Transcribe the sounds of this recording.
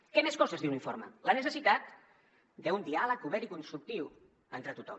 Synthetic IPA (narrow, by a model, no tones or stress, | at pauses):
kɛmeskɔzəzðiwniɱfo̰ɾmə̰lənəsəsit̪at̪̚ | d̪əund̪ialəkuβɛɾikunst̪ɾuk̚t̪iw | ent̪ɾət̪ut̪ɔ̰m